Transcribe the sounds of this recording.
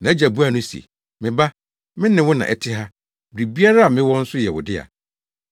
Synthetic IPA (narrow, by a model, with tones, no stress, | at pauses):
nã˨æ˦d͡ʑa˨bu˦a˦nʊ̃˦sḭ˨ | mɪ̃˨ba˦ | mɪ̃˦nɪ̃˨wʊ˦nã̰˨ʔɛ˨tʰɪ˦ɦa˦ | bɾi˨bi˦a˦ɾa˦a˨mɪ̃˦wɔ̃˦n̩˦sʊ˦jɛ˨wʊ̰˨dɪ˦a̰˨